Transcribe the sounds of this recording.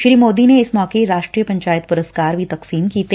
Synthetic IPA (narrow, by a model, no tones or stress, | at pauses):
ʃɾiːmoːd̪ineɪsmɔːkeɾaːʃʈɾiːjəpɐ̃ɲt͡ʃaːjɪt̪pʊɾəskaːɾbʱit̪ɐqsiːmkiːt̪e